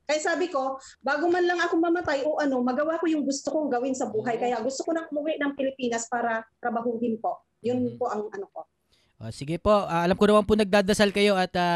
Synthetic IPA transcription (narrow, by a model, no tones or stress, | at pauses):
kɐjasaːbɪko̞ | baːɡomanlɐŋʔɐkomɐmɐt̪ajʔoːʔɐno̞mɐɡɐwako̞jʊŋɡʊst̪okoŋɡɐwɪnsɐbuːɦɐjkɐjaɡʊst̪okonɐŋʔʊmʊwɪʔnɐŋpɪlɪpiːnɐspaːɾɐt̪ɾɐbɐɦʊɡɪnpo̞ʔ | jʊnpo̞ʔɐŋʔɐnoko̞ | ʔo̰sɪɡɛpo̞ʔaːɐlamkonɐwɐmpʊnɐɡ̚d̪aːd̪ɐsalkɐjo̞ʔɐt̪a